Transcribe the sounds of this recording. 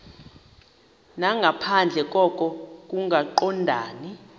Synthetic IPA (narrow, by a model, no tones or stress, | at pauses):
naŋɡʱapʰand͡ɮʱɛk̬ʼɔkʼɔkʼuŋɡʱaǃɔndʱaːni